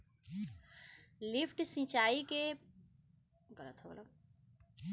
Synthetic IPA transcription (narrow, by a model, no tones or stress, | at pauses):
lipʰʈsĩt͡ʃaike | ɡʌɾə̰t̪ʰola̰